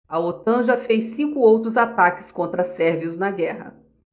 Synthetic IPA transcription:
ɐot̪ɐ̃ʒɐfejsːĩkʊowt̪ɾʊzat̪akɪ̥skõnt̪ɾɐsɛɾviʊznɐɡɛɦɐ̰

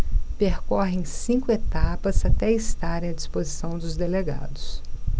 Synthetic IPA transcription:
peɾkɔɦɪẽj̃sĩkʊet̪apɐzat̪ɛist̪aɾẽj̃ɐd͡ʒispozisɐ̃w̃d̪ʊzd̪eleɡa̰d̪ʊs

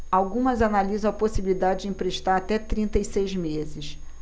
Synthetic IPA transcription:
awɡũmɐzanalizɐ̃w̃ɐposibilid̪ad͡ʒɪd͡ʒɪẽpɾeʃt̪aɾat̪ɛt̪ɾĩnt̪ɐisejzmezɪʃ

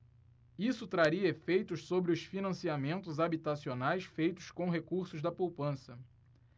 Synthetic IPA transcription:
isʊt̪ɾaɾiɐefejt̪ʊʃsobɾɪʊsfinɐ̃siamẽnt̪ʊzabit̪asionajsfejt̪ʊ̥skõw̃ɦekuɾsʊzd̪ɐpowpɐ̃sɐ

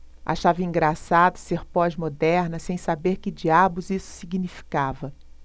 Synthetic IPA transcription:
ʔa̰ʃavɐĩɡɾasad̪ʊseɾpɔzmod̪ɛɾnɐsẽj̃sabeɾkɪd͡ʒiabʊzisʊ̥siɡinifi̥kavɐ

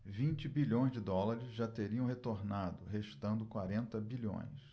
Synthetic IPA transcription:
vĩnt͡ʃɪbiʎõj̃zd͡ʒɪd̪ɔlaɾɪzʒat̪eɾiɐ̃w̃ɦet̪oɾnad̪ʊheʃt̪ɐ̃nd̪ʊkwaɾẽnt̪ɐbiʎõ̰j̃s

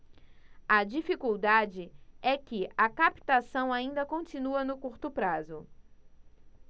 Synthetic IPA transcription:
ɐd͡ʒifikuwd̪ad͡ʒɪɛkɪɐkapi̥t̪asɐ̃w̃aĩnd̪ɐkõnt͡ʃĩnuɐnʊkuɾt̪ʊpɾazʊ

